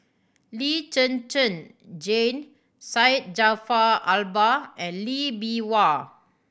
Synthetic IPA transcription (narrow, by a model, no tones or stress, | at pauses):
lit͡ʃə̃nt͡ʃə̃n | d͡ʒẽn | sajt̚d͡ʒafaalbaɛ̃nlibiwa